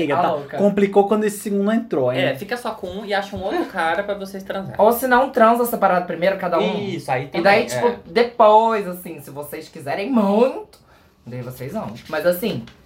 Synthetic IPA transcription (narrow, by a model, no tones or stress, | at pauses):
ejɡɐtlaokɐkõmplikowkwɐ̃nd̪ʊesɪ̥siɡũnd̪ʊ̃ẽnt̪ɾõɛfikɐsɔkõɪaʃɐũowt̪ɾʊkaɾɐpɾɐvosejst̪ɾɐ̃za̰ɾowsɪnɐ̃w̃t̪ɾɐ̃zɐsepaɾad̪ɐpɾimejɾʊɐkad̪ɐuĩsʊait̪ɪ̃d̪ãit͡ʃi̥pʊd̪epojzasĩsɪvosejskizɛɾẽj̃mũj̃t̪ʊ̥ | d̪aivosejznɐ̰̃w̃mɐzasĩ